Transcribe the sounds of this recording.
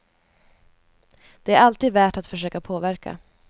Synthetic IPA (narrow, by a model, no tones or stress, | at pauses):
d̪̥ɛæɾalt̪iːd̪væːʈat̪fœʂøːkapʰoːvæɾka̰